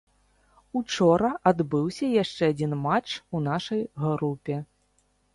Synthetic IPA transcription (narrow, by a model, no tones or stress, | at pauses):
ut͡ʂɔɾɐʔad̪bɨwsʲɐjaʂt͡ʂɛad͡zʲinmat͡ʂunaʂɐjɣɾupʲɛ